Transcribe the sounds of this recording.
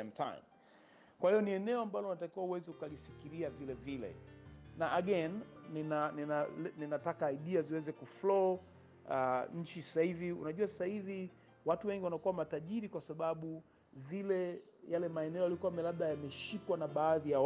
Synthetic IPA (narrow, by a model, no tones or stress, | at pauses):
ɛmtʰa̰jm | kwahijɔniɛnɛɔambalɔnatakiwauwɛzɛukalifikiɾiavilɛvilɛ̰naaɡɛnːinannaninatakaːiɗiaziwɛzɛkuflɔ | aɲ̩t͡ʃisḁsahiviṵnaʄuasḁsahivi | watuwɛŋɡiwanakuwamataʄiɾikwasaɓaɓu | vilɛjalɛmaɛnɛɔjalikuamɛlaɓɗajamɛʃikwanaɓaːðija